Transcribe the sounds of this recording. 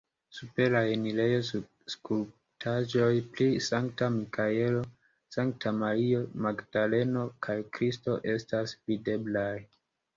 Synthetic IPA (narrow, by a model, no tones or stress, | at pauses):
supe̞ɾaenile̞jo̞ | skul | tʰaʒo̞jplisaŋk̚tamikʰae̞lo̞ | saŋk̚tʰamaɾio̞maɡd̥ale̞no̞kʰajkɾisto̞ʔe̞stasvide̞blaj